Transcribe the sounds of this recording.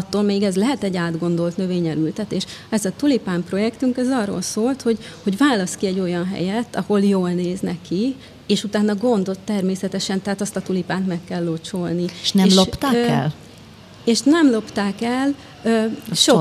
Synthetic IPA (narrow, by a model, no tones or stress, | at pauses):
t̪ːoːlmeːɡɛzlɛɦɛt̪ɛɟːaːd̪ɡo̞nd̪o̞lt̪nø̞veːɲɛɾylt̪ɛt̪eːʃɛzɒt̪ulipaːmpro̞jɛkt̪yŋkɛzɒrːo̰lsoːlt̪ho̞ɟ | ho̞ɟvaːlːɒskiɛɟːo̞jɒnɦɛ̰jɛt̪ːɒho̞ljoːlneːznɛkːi | eːʃut̪aːnːɒɡo̞nd̪o̞t̪ːɛrmeːsɛt̪ɛʃɛnt̪ɛɦaːt̪ɒst̪ɒt̪ulipaːnt̪mɛkːɛlːot͡ʃolniʃnɛmopt̪aɛ̰l | eːʃnɛmlo̞pt̪aːkɛl | øʃo